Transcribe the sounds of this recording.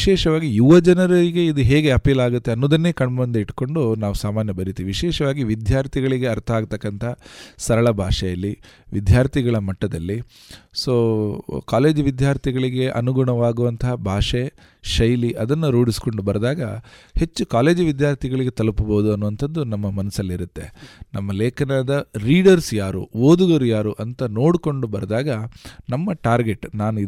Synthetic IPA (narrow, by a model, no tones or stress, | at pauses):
iʃɛːʂɐʋaːɡijuʋɐd͡ʒɐnɐɾɐɾiɡe̞id̪uɦeːɡe̞ɐpiːlaːɡut̪ːe̞ɐnːoːd̪ɐnːe̞ːkɐɳbɐnd̪eiʈko̞ɳɖunaːʋusaːmaːnjɐbɐɾit̪iːʋiʋiʃɛːʃɐʋaːɡiʋid̪ʱjaːɾt̪ʰiɡɐɭiɡe̞ɐɾt̪ʰɐaːɡt̪ɐkːɐnt̪ʰɐɦsɐɾɐɭɐbʱaːʂɛjɐlːiʋid̪jaːɾt̪ʰiɡɐɭɐmɐʈːɐd̪ɐlːi | soːkaːle̞ːd͡ʒuʋid̪jaːɾt̪ʰiɡɐɭiɡe̞ʔɐ̰nuɡuɳɐʋaːɡuʋɐnt̪ʰɐɦɐbʱaːʂe | ʃɐjliʔɐd̪ɐnːuɾuːɽisi̥ko̞ɳɖubɐɾd̪aːɡɐhe̞t͡ʃːukaːle̞ːd͡ʒuʋid̪jaːɾt̪ʰiɡɐɭiɡe̞t̪ɐlupuboːd̪uɐnːuʋɐnt̪ʰɐd̪ːunɐmːɐmɐnɐsɐlːiɾut̪ːe̞̰nɐmːɐleːkʰɐnaːd̪ɐɾiːɖɐɾsjaːɾṵoːd̪uɡɐɾujaːɾuʔɐnt̪ɐno̞ːɽuko̞ɳɖubɐɾd̪aːɡɐnɐmːɐʈaːɾɡe̞ʈːnaːnui